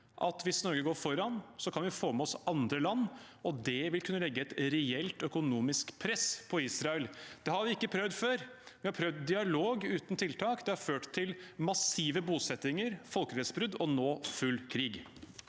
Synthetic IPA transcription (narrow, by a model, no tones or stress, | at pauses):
ʔɑt̪ʋɪsnɔɾɡəɡoːɾfɔɾɑnsɔkʰɑnʋɪfoːmɛɔsɑnd̪ɾəlɑnː | ɔd̪ɛʋɪlkʰʉnːəlɛɡːəɛt̪ɾɛɛlt̪œkʊnuːmɪskpʰɾɛspʰɔiːsɾɑɛld̪̥ɛhɑɾʋɪɪkːəpʰɾœʋd̪føːɾʋɪhɑɾpʰɾœʋd̪d̪ɪɑloːɡʉːt̪n̩t̪ʰɪlt̪ʰɑːkd̪ɛhɑɾføːʈt̪ʰːɪlmɑsiːʋəbuːsɛt̪ɪŋəɾfɔlkəɾɛsbɾʉd̪ɔnoːfʉlːkʰɾiːɡ